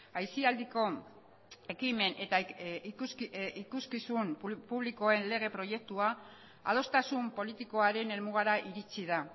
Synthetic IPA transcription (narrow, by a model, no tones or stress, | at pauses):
ajsiald̪iko̞ | e̞kime̞net̪ausikuskisumppuβliko̞e̞nle̞ɣ̞e̞pɾo̞je̞k̚t̪ua | a̰ð̞o̞st̪asumpo̞lit̪iko̞aɾe̞ne̞lmuɣaɾaʔiɾit͡sið̞a